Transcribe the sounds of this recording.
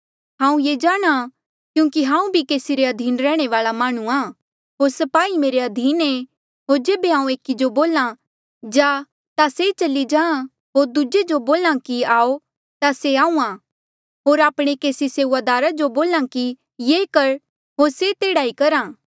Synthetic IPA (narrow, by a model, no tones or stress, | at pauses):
ɦãːũjeːd͡ʒaːɽ̃a | kjũːkiɦãːũbʱikeːsiɾeɐd̪ʱiːnɾɛːɽ̃eʋaːlamaːɽ̃ũaː | ɦoːɾsɐpaːimeːɾeɐd̪ʱiːnẽ | ɦoːɾd͡ʒeːbeɦãːũeːkid͡ʒoboːlã | d͡ʒaː | t̪aset͡ʃɐlid͡ʒãːã | ɦoːɾd̪ʊd͡ʒed͡ʒoboːlãkiaːo | t̪aseaːũã | ɦoːɾaːpɽ̃ekeːsiseːuːaːd̪aːɾad͡ʒoboːlãki | jeːkɐɾ | ɦoːɾset̪eːɽaːikɐɾãː